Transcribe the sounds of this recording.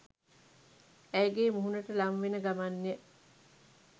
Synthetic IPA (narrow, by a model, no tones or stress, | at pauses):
æjɡeːmuɦunəʈəlamʋenəɡamanːijə